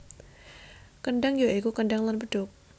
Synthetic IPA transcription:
kənɖaŋjoʔekukəndaŋlanbəd̥ʊk̚

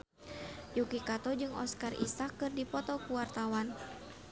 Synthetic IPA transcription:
jukikat̪ɔd͡ʒɨŋɔ̰skarḭsakːɨrdipɔt̪ɔkuwart̪awan

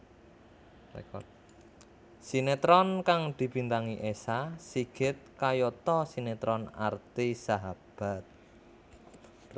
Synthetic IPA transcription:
lɛ̰kɔ̰ | sinet̪ɾɔnkaŋd̪̥i̤bint̪aŋiʔesasiɡ̥ɪ̤t̪̚kajɔt̪ɔsinet̪ɾɔna̰rt̪isaɦab̥a̤t̪̚

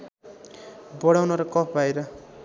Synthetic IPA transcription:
bʌɽawnʌɾʌkʌpʰbajɾʌ

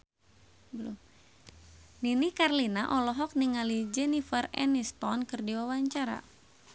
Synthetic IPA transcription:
bəlṵm | ninikarlinaʔɔlɔɦɔk̚niŋalid͡ʒɛnifərɛ̰nistɔnkɨrdiwawaɲt͡ʃaɾa̰

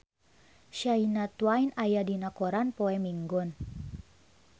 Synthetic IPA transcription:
ʃainat̪wainajadinakɔɾanpɔɛmiŋɡɔn

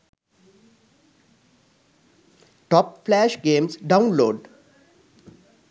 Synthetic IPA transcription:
ʈɔːpflæʃɡẽːmsɖãʊ̃nloːɖ

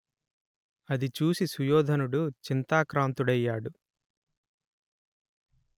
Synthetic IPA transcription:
ɐd̪it͡ʃuːsisujɔːd̪ʱɐnuɽut͡ʃint̪aːkɾaːnt̪uɽɐjːaːɽu

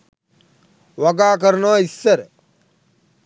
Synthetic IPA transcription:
ʋɐɡaːk̬əɾnɔːisːəɾ

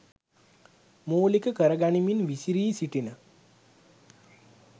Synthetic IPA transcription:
moːlikəkəɾəɡaniminʋisiɾiːsiʈinə

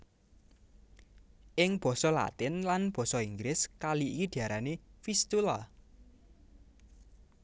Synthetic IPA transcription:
ʔɪŋb̥ɔ̤sɔla̰t̪ɪnlanb̥ɔ̤sɔiŋɡlɪskaliʔikid̪̥i̤aɾanefist̪ula

